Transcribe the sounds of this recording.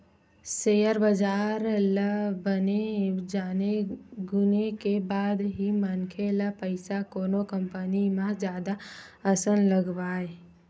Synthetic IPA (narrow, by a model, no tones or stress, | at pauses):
sejəɾbəd͡ʒaːɾləbəned͡ʒaːneɡʊnekebaːd̪ɦimənkʰelapəɪsakoːnokə̃mpənimãd͡ʒjaːd̪aəsənləɡwaːe